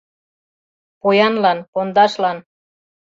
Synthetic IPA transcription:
pojɑnlɑnpond̪ɑʃlɑn

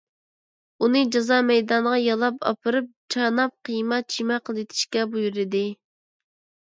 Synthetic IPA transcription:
unɨd͡ʒɑzɑmɛjd̪ɑnʁɑjɑlˠɑpʰɑ̰pʰɨɾɨp̚t͡ʃʰɑnɑp̚qʰijmɑt͡ʃʰimɛqʰəlˠɪt̪ʰɪ̥ʃkʲɛbujuɾɪd̪ɪ

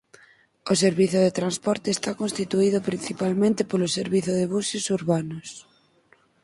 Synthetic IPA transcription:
oseɾβiθoðet̪ɾanspɔɾt̪eːst̪akõnst̪it̪uiðʊpɾinθipalmẽnt̪epoloseɾβiθoðeβ̞usosuɾβanos

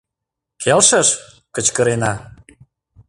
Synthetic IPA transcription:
kʰelʃəʃ | kə̆t͡ɕkəɾenɑ

